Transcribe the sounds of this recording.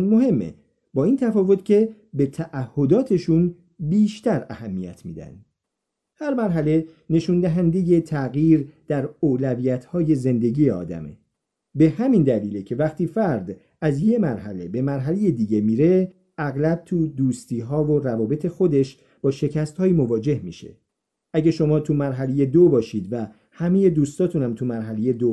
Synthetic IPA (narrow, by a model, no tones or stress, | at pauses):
nmo̞ɦe̞mːḛ | bɒːiːnt̪ʰæfɒːvo̞t̪cʰe̞ | be̞t̪ʰæʔæhːo̞d̪ɒːt̪ʰe̞ʃun | biːʃt̪ʰæɾæhæmːḭjæ̰t̪ʰmḭːd̪æ̰nd̪ | hæɾmæɾɦæle̞ne̞ʃund̪æɦænd̪e̞je̞t̪ʰæɣjiːɾd̪̥æɾoːlæviːjæt̪ʰhɒːje̞ze̞nd̪e̞ɟiːjeɒ̰ːd̪æ̰mḛ | be̞hæmind̪æliːlecʰe̞væχt̪iːfæɾd̪ | æzje̞mæɾɦæ̰le̞be̞mæɾɦæle̞je̞d̪iːɟe̞miːɾe̞ | ʔæɣlæb̚t̪ʰud̪uːst̪iːɦɒːvo̞ɾævɒːbe̞t̪ʰe̞xo̞d̪e̞ʃ | b̥ɒːʃe̞cæst̪hɒːjiːmo̞vɒːd͡ʒe̞hmḭʃḛ | ʔæɟeʃo̞mɒːt̪ʰumæɾɦæle̞je̞d̪obɒːʃiːd̪væ | hæme̞je̞d̪uːst̪ɒːt̪ʰunæmt̪ʰumæɾɦæle̞je̞d̪o